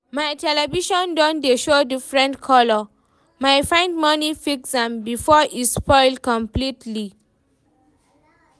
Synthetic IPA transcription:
majtɛlɛviʃɔ̃ndɔ̃ndeʃodifɹɛ̃ntkʰɔlɔ | majfãɪ̃ndmʌnifiksdɛ̃mbifɔʔispɔɪlkɔ̃mplitʰli

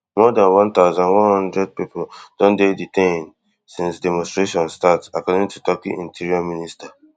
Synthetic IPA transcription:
mɔdãnwɔ̃nt̪aʊzãnwɔ̃nhɔ̃ndɹɛd̚pipod̥ɔ̃ndeditʰẽn | sĩnsdɛmɔ̃nstɹeʃɔ̃nstatsakɔdĩŋtutɔkiʔĩntʰiɹiɔmĩnista

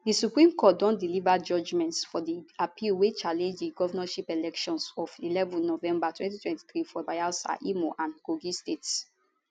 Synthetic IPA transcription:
disupɹĩmkʰɔt̚dɔ̃ndilivad͡ʒɔd͡ʒmɛ̃ntsfɔdiapʰilwet͡ʃalɛ̃nd͡ʒdiɡɔvanaʃipɛlɛkʃɔ̃nsɔvilɛvɔ̃nːɔvɛ̃mbatwɛ̃ntitwɛ̃nti̥θɹifɔbajasa̰ʔimoʔãnɡoɡistets

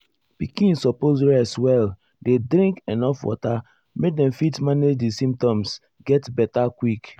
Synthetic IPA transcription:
pikĩnsɔpozɹɛswɛl | dedɾĩŋkenɔfwɔ̰ta | mek̚dɛ̃mfitmaned͡ʒdisĩmp̚tɔ̃ms | ɡɛtbɛtakwik

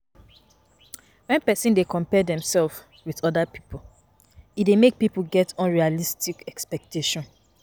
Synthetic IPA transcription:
wɛ̃npɛsĩndekɔ̃mpɛdɛ̃msɛlf | wiðɔdapi̥pʰo | idemek̚pipuɡɛtʰɔ̃nɹialistikɛkspɛk̚teʃɔ̃n

